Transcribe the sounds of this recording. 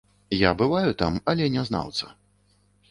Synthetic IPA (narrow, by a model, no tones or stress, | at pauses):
jabɨvajut̪amɐlʲɛnʲɛzna̰wt̪sɐ̰